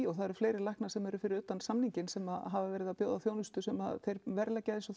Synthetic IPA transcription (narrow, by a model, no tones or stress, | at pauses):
ɔɣθaðɛɾ̥fleːjɾɪɾlajhknḁsɛmɛɾʏfɪɾɪɾʏːt̪ansamniɲcɪnsɛmaðɦavavɛːɾɪðapjoːwðaθjoːwnʏst̪ʏsɛma̰ðθejɾvɛɾlɛcːaðensɔ